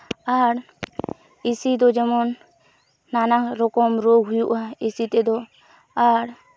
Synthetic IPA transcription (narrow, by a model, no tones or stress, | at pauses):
aɾ | isid̪ɔd͡ʒɛmɔnː | anaɾɔkɔmɾoɡɦujuʔaisit̪ɛd̪ɔ | aɾ